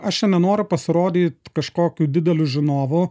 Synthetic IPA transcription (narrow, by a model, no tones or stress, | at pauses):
ɐʃʲɛnʲɛnoːɾʲʊpɐsʲɪɾoːd̪ʲiːt̪kɐʃkoːkʲuːd̪ʲɪd̪ʲɛlʲuːʒʲɪnoːʋʊ